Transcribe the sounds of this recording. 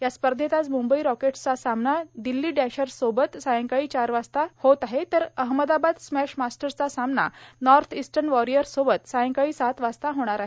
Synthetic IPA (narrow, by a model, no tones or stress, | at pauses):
jaspəɾd̪ʱet̪at͡smumbəiɾɔkeʈt͡sasamnad̪ilːiːɖæɕəɾsobət̪sajə̃ŋkaiːt͡ɕaɾʋast̪ahot̪aɦet̪əɾəɦməd̪abad̪smæɕmasʈəɾt͡sasamna̰nɔɾt̪ʰisʈənʋɔɾijəɾsobət̪sajə̃ŋkaiːsat̪ʋast̪aɦoɽ̃aɾaɦe